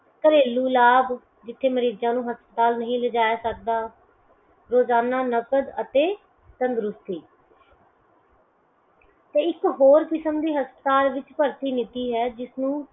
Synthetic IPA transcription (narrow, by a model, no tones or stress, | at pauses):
k̪əɾeːluːlaːb | d͡ʒɪt̪ʰːeːməɾiːd͡ʒãːnũːɦəspət̪aːlnəɦĩːləd͡ʒaːjaːsək̚d̪aː | ɾoːzaːnaːnəkəd̪ə̰t̪eː | t̪ənd̪ɾʊst̪iː | t̪eːɪkɦoːɾkɪsəmd̪iːɦəspət̪aːlʋɪt͡ʃpəɾt̪iːnɪt̪iːɦɛːd͡ʒɪsnũː